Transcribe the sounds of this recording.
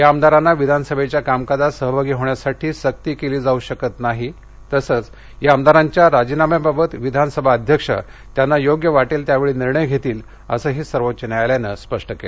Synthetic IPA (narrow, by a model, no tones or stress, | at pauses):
jaəmd̪aɾanːaʋid̪ʱanəsəbʱet͡ɕjakamkad̪asəɦbʱaɡiːɦoɳjasaʈʰiːɕək̚t̪iːkeliːd͡zauɕəkət̪naɦi | t̪əsət͡s | jaəmd̪aɾaɲt͡ɕjaɾad͡ʑinamjababət̪ʋid̪ʱanəsəbʱaəd̪ʱjəkʂə̰ | t̪janːajoɡjəʋaʈiːlt̪jaʋeɭiːniɾɳəjɡʱet̪iːl | ə̰səːɦiːsəɾʋotːt͡ɕənaajljanəspəʂʈəkeɭe